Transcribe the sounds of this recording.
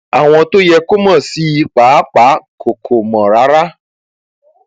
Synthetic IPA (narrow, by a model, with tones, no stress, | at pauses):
a˨w̃ɔ̃˨t̪o˦jɛ˨ko˦mã˨si˦˨˦k͡pa˨˦k͡pa˦kʰo˨kʰo˨mã˨ɾa˨˦ɾa˦